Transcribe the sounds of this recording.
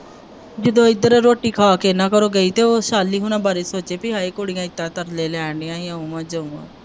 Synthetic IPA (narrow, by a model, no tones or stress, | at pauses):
d͡ʒɪd̪õːɪd̪əɾɾoːʈiːkʰaːkeːnãːkəɾoːɡəiːt̪eːoːʃaːlːiːɦʊnãːbaːɾeːsoːt͡ʃeːpɪɦaːiːkoɽɪjãːɪt̪ːãːt̪əɾleːlɛːɳɖɪjãːɦiãũmãːd͡ʒəũːã̰ː